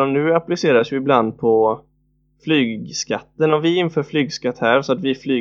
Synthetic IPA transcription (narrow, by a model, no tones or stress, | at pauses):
ɔmnʉ̟ːaplɪseːɾasjɪɪbland̪̚pʰɔ | flyːɡskat̪ːənɔmvɪɪnfœːɾflyːɡskat̪ːhæɾsɔat̪vɪflyː